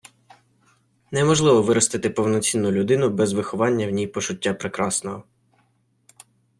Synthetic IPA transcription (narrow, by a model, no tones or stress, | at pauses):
nɛmɔʒlˠɪʋɔʋɪɾɔst̪ɪt̪ɪpɔwnɔt͡sʲinːʊlʲʊd̪ɪnʊbɛzʋɪxɔʋɑnʲːɐwnʲijpɔt͡ʃʊtʲːapɾekɾɑsnɔɦɔ